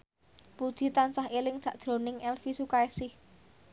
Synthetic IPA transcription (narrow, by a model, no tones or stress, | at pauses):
pud̥ʒ̥i̤t̪ansahelɪŋsä̤ʔd̥ʒ̥ɾo̤nɪŋɛlfisukaesɪh